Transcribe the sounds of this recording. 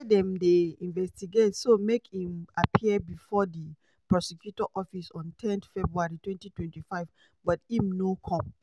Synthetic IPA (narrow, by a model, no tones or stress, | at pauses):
dɛ̃mdeĩnvɛstiɡetsomekhĩmapʰiəbifɔdi | pɹɔsɛkjutɔʔɔfisɔ̃ntʰɛ̃nθfɛbɹuaɹitwɛ̃ntitwɛ̃ntifaɪv | bɔtĩmnokʰɔ̃m